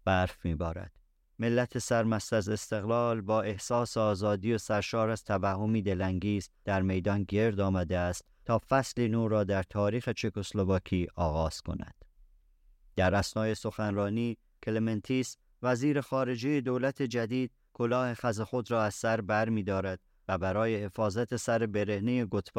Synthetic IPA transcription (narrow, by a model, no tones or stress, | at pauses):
b̥æɾfmiːbɒːɾæ̰d̪̥ | me̞lːæt̪ʰe̞sæɾmæst̪æze̞st̪e̞ɣlɒːlbɒːe̞hsɒːseɒːzɒːd̪ijo̞sæɾʃɒːɾæz̥t̪ʰævæhːo̞miːd̪e̞læŋɡiːzd̪̥æɾme̞jd̪ɒnɟe̞ɾd̪ɒːmæd̪eæst̪t̪ʰːɒːfæsliːnuːɾɒːd̪æɾt̪ʰɒːɾiːxe̞t͡ʃʰekoslovɒːkʰiːʔɒːɣɒːz̥kʰo̞̰næ̰d̪̥ | d̪̥æɾʔæsnɒːje̞so̞xænrɒːniː | kʰelement̪ʰis | væziːɾe̞xɒːɾe̞d͡ʒe̞je̞d̪oːlæt̪ʰe̞d͡ʒæd̪iːd̪̥̚ | kʰolɒːhe̞xæze̞xo̞d̪ɾɒːæz̥sæɾbæɾmiːd̪ɒːɾæd̪̥̚ | væbæɾɒːje̞he̞fɒːzæt̪ʰe̞sæɾe̞be̞ɾe̞hnejeɡot̪ʰb